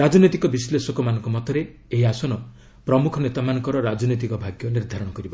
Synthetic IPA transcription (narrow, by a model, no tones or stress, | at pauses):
ɾad͡ʒɔnot̪ikɔbislesɔkɔmanɔ̃ŋkɔmɔt̪ʰɔɾe | eɦiasɔnɔ | pɾɔmukʰɔnet̪amanɔ̃ŋkɔɾɔɾad͡ʒɔnit̪̬ikɔbʱaɡjɔniɾd̪ʱaɾɔɽ̃ɔkɔɾibɔ